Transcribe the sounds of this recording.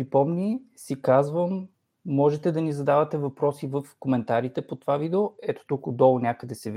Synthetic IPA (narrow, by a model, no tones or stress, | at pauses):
pɾipɔmnʲisikazvəmː | ɔʒɛt̪ɛd̪ɐnizɐd̪avɐt̪ɛvɐpɾɔsivɤfkomɛnt̪aɾit̪ɛpot̪ovavid̪ɛoɛt̪o̥t̪ukod̪ɔlˠnʲakəd̪ɛsɛv